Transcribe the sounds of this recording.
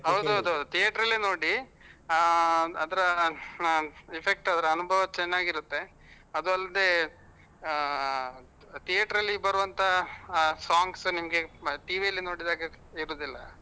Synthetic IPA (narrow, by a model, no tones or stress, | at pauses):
ɦɐwd̪uɐd̪ut̪ijeːʈɐɾɐlːinoːɽi | ɐd̪ɐɾɐ | ipʰek̚ʈɐd̪ɐɾɐːnubʱɐʋɐt͡ʃɛnːaːɡiɾut̪ːe̞ | ɐd̪uɐlːɐd̪e̞ | t̪ijeːʈɐɾɐlːibɐɾuʋɐnt̪ʰɐ | saːŋɡsnimɐɡe̞ʈiːʋijɐlːino̞ːɽid̪aːɡe | iɾuːd̪ilːɐ